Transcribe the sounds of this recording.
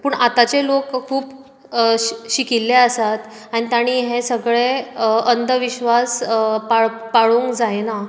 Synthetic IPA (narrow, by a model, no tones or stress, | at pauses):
puːɳat̪at͡ɕelokkʰːuːp | ɕikilːeəsat̪ | anit̪aɽ̃iːɦesəɡɭeənd̪əʋiɕʋaspaɭpaɭuŋkd͡zajena